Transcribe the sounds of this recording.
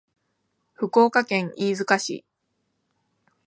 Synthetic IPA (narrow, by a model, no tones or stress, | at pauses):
ɸɯ̟ko̞ːkakẽ̞ŋiːzɨkaɕḭ